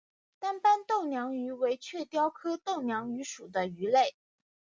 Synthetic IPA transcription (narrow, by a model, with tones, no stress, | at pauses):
t̪a˥npa˥nt̪o˥˩ʊnjɑ˧˥ŋy˧˥we˧˥ɪt͡ɕʰɥɛ˥˩t̪jɑ˥ʊkʰɤ˥t̪o˥˩ʊnjɑ˧˥ŋy˧˥ʂu˨˩d̪ə˦y˧˥le˥˩ɪ